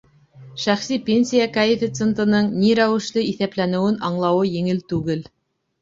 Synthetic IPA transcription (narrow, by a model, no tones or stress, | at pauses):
ʃæχsipʲenʲsʲijakaɪfʲit̪sent̪ɤ̆nɤɴniɾæwɘ̆ʃlɘiθæplænɘ̆wɘnɑɴlˠɑwɤjɘ̆ŋɘlt̪ʉɡɘl